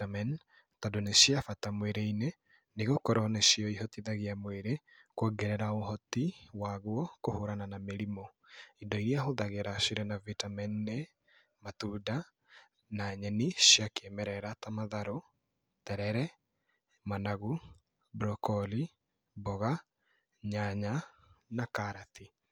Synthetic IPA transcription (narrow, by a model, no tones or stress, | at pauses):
amɛn | tɔdoneʃiafatamweɾeine | neɣokɔɾɔneʃiɔiɦɔtiðaɣeamweɾe | kwɔɡɛɾɛɾaoɦɔtiwaɣwɔkohoɾananameɾimo | indɔiɾiaɦoðaɣeɾaʃiɾɛnavitamɛnːe | matuːda | naɲɛniʃjakeɛmɛɾɛɾatamaðaɾo | tɛɾɛɾɛ | manaɣu | bɾɔkɔli | bɔɣa | ɲaɲanakaɾati